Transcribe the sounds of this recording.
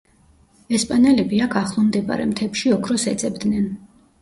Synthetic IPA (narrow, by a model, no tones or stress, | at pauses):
ɛspʼanɛlɛbiakʰaχlˠɔmd̪ɛpʼa̰ɾɛ̰mt̪ʰɛpʃiɔkʰɾɔsɛt̪sʼɛbd̪nɛn